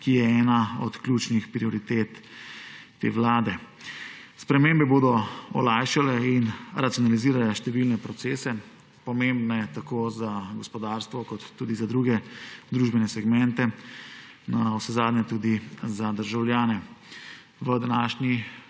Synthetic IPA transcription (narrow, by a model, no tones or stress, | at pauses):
kijɛɛːnaɔt̪kljuːt͡ʃnixpɾiɔɾit̪eːt̪ː | ḛːʋlaːd̪ɛ | spɾɛmembɛboːd̪ɔɔlaːjʃalɛinɾat̪jɔnaliziːɾalɛʃt̪ɛʋilnɛpɾɔt̪seːsɛ | pɔmembnɛjɛt̪akoːzaɡɔspɔd̪aːɾst̪ʋɔkɔt̪ːuːd̪izad̪ɾuɡɛd̪ɾuːʒbɛnɛsɛɡmɛnt̪ɛ | nawsɛzaːd̪nɲɛt̪uːd̪izad̪əɾʒawlʲjaːnɛ | ʋəd̪anaːʃni